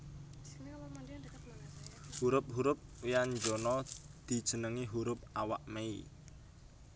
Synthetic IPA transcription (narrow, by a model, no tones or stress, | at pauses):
huɾʊp̚ɦuɾʊp̚wiand͡ʒonɔd̪̥i̤d̥ʒ̥ə̤nəŋiɦuɾʊp̚awa̰ʔmei